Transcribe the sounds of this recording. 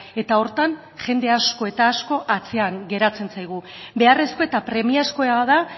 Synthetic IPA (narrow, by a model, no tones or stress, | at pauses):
e̞t̪ao̞ɾt̪an | ʝe̞nd̪e̞asko̞e̞t̪aːsko̞ʔat͡se̞aŋɡe̞ɾat͡se̞nt͡sajɣ̞ube̞are̞sko̞e̞t̪apɾe̞miasko̞eaða